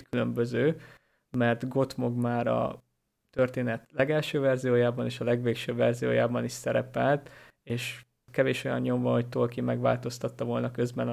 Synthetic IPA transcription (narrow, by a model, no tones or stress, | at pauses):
kylømbøzøː | mɛrt̪ɡo̞t̪mo̞ɡmaːɾɒ̰ | t̪ørt̪eːnɛt̪lɛɡɛlʃøːvɛrzijoːjaːbɒneːʃɒlɛɡʋeːkʃøːvɛrzijo̰ːjaːbɒniʃsɛɾɛpɛlt̪ | eːʃ | kɛveːʃo̞jɒ̰nːo̞ɱvɒɦo̞ct̪olkimɛɡva̰ːlt̪o̞st̪ɒt̪ːɒvo̞lnɒkøzbɛn